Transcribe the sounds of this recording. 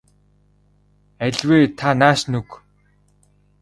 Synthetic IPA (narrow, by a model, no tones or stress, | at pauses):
æɮʲweːt̪ʰanaːʃnɵk